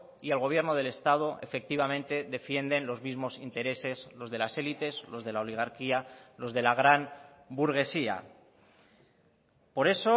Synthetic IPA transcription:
ielɣo̞β̞je̞ɾno̞ð̞e̞le̞st̪að̞o̞ʔe̞̰fe̞k̚t̪iβ̞amẽ̞nt̪e̞ðe̞fje̞nd̪e̞nlo̞zmizmo̞sint̪e̞ɾe̞se̞slo̞zð̞e̞lase̞lit̪e̞zlo̞zð̞e̞laoliɣ̞aɾkialo̞zðe̞laɣɾan | buɾɣ̞e̞sia̰ | po̞ɾe̞so

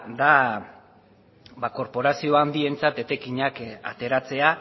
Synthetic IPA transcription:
d̪a | bako̞ɾpo̞ɾasio̞and̪ie̞nt͡sat̪e̞t̪e̞kiɲaka̰t̪e̞ɾat͡se̞a

